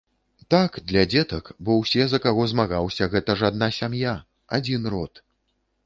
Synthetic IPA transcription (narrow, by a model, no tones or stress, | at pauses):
t̪akd̪lʲɐd͡zʲɛt̪ɐkbɔwsʲɛzɐkaɣɔzmaɣawsʲɐɣɛt̪ɐʐad̪nasʲamja | ad͡zʲinrɔt̪